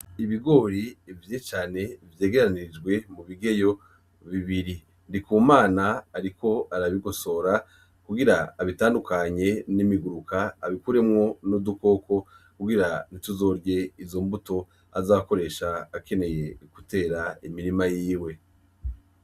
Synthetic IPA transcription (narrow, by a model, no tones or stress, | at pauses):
iβiɡo̞ːɾivjet͡ʃaːne̞vje̞ːɡe̞ɾanid͡ʒɡwe̞muβiɡe̞jo̞ | βiβiɾi | ndikumaːnaːɾiko̞aɾaβiɡo̞so̞ɾa | kuɡiɾaːβitaːndukaɲe̞nimiɡuɾukʰaːβikuɾe̞mŋo̞nuduko̞ko̞ | kuɡiɾanituzo̞ɾɟe̞izo̞mbuto̞ | azaːβako̞ɾe̞ʃaːkʰe̞ne̞je̞kute̞ːɾaimiɾimajiːwe̞